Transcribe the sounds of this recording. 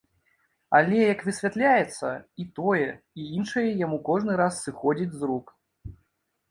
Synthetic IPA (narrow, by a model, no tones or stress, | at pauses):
alʲɛjɐkvɨsʲvʲat̪lʲajɛt̪sːɐit̪ɔjɛ | iinʂɐjɛjamukɔʐnɨɾasːɨxɔd͡zʲid͡zʲzruk